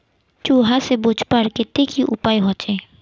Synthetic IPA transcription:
t͡ʃuːɦasebut͡ʃpəɾkɪt̪ːekiʔʊ̰paːiɦɔ̃ːt͡ʃeː

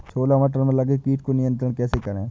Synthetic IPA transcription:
soːlaʋɐʈ̬əɾmẽlɐɡekiːʈkonɪjə̃nt̪ɾəɽ̃kɛːsekɐɾẽː

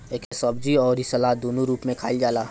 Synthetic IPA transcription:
eːkɦesɐbd͡ʒiɔːɾisɐlad̪oːnũɾuːpmẽkʰaːɪld͡ʒaːlaː

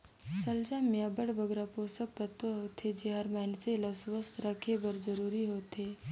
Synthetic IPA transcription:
səld͡ʒamijabəɽbəɡɾaposək̚t̪ət̪ʋəɦoːt̪ʰed͡ʒeɦaːɾmanselasʋəst̪ʰɾakʰebəɾd͡zəɾuːɾiɦoːt̪e

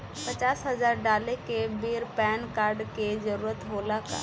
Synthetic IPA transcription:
pət͡ʃasɦəd͡ʒaɾɖalekebeɾpɛnkaɾɖked͡ʒəɾuɾət̪ɦolaka̰

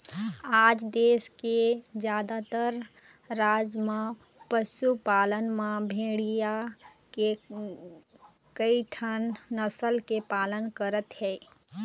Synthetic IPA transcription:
aːd͡ʒd̪eːsked͡ʒjaːd̪at̪əɾɾaːd͡ʒmãpəsupaːlənmãbʱeːɽijake | kəiʈʰənːəsəlkepaːlənkəɾət̪ɦɛː

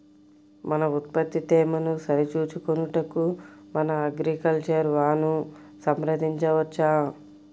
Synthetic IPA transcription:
mɐnɐut̪̚pɐt̪ːit̪ɛːmɐnusɐɾit͡ʃuːt͡ʃukonuʈɐkumɐnɐːɡɾikɐlt͡ʃɐɾʋaːnu | sɐmɾɐd̪iɲt͡ʃɐʋɐt͡ʃːaː

